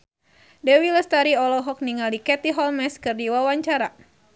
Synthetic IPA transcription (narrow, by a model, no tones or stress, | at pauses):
dɛwiləst̪aɾiɔlɔɦɔk̚niŋalikɛt̪iɦɔlmɛskɨrdiwawaɲt͡ʃaɾa